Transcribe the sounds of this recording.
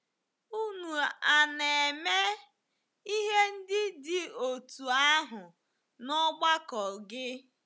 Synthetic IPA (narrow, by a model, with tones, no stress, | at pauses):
u˦nu˨a˨ne˨me˦ | i˦ɦe˦n̩˦dɪ˦dɪ˦o˨tu˨a˦ɦʊ˨ | nɔ˦ɡ͡ba˦kɔ˨lɡɪ˦